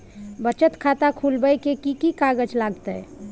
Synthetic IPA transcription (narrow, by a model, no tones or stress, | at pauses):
bət͡ʃət̪kʰat̪akʰulbəjkekikikaɡəd͡ʒlaːɡt̪əɛ̰